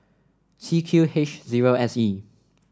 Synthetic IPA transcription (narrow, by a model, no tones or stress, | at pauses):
tʰikʰjuhet͡ʃziɹoɛsi